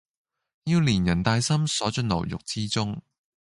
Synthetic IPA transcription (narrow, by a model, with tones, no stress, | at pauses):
jiː˧wliː˨˩njɐ˨˩nt̪aː˧jsɐ˥msɔː˨˥t͡ʃɵ˧nlɐ̰˨˩wjʊ̰˨k̚t͡siː˥t͡sʊ˥ŋ